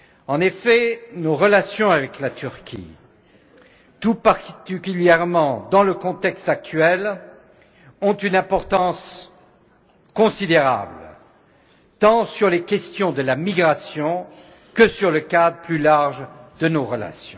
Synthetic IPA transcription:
ɑ̃nefɛnoʁəlasjɔ̃avɛklat̪yʁkʲʰḭ | t̪upaʁt̪t̪ikʲyljɛʁmɑ̃d̪ɑ̃ləkɔ̃t̪ɛkst̪ak̚t̪ɥɛl | ɔ̃t̪ynɛ̃pɔʁt̪ɑ̃s | kɔ̃sid̪eʁa̰bl | t̪ɑ̃syʁlekʲɛst̪jɔ̃d̪əlamiɡʁasjɔ̃ | kəsyʁləkad̪ʁəplylaʁʒd̪ənoʁəla̰sjɔ̃

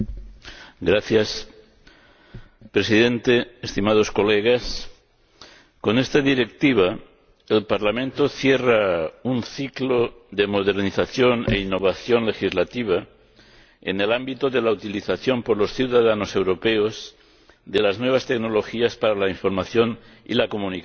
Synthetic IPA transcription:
ɡɾaθjas | pɾe̞siðent̪eest̪imað̞o̞skoleɣ̞as | ko̞nest̪aðiɾe̞kt̪iβ̞a | elpaɾlamẽnt̪o̞θjeraunθikloðe̞mo̞ðe̞ɾniθaθjo̞nḛinːoβ̞aθjo̞nle̞xizlat̪iβ̞a | ḛnelambit̪oðelaut̪iliθaθjompoɾlo̞sθuwðaðano̞se̞wɾo̞peoz | ðe̞laznwe̞β̞ast̪e̞ɡno̞lo̞xiaspaɾalaiɱfo̞ɾmaθjo̞n | ḭlako̞munik

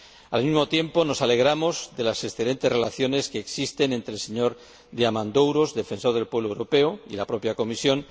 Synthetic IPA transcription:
almizmo̞t̪je̞mpo̞no̞sale̞ɣ̞ɾamo̞zðe̞lase̞sθe̞le̞nt̪e̞sre̞laθjo̞ne̞skeːksist̪e̞nẽnt̪ɾelse̞ɲo̞ɾ | d̪eamãnd̪owɾo̞zðe̞fe̞nso̞ɾð̞e̞lpwe̞βlowɾope̞oḭlapɾo̞pjako̞misjo̞n

